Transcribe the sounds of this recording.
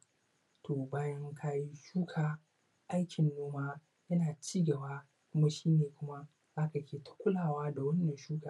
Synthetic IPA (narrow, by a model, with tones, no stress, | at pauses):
tʰoː˨baː˦jɐ˦ŋkʰa˦ji˦ʃuː˦kʰaː˨ | ʔa˦jkʲɪ˨nːoː˦maː˦ | jɐ˦naː˨t͡ʃiː˦ɡɐ˨baː˦ | kʷʊ˦ma˦ʃiː˦neː˨kʷʊ˦ma˦ | zaː˦kɐ˨kʲʰeː˨tʰḁ˦kʷʊ˦laː˨waː˦da˨wɐ˦nːɐ˨nʃuː˦kaː˨